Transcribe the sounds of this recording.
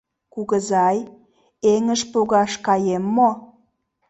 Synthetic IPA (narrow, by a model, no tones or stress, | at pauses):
kuɣəzɑj | eŋəʃpuɣɑʃkɑjemːo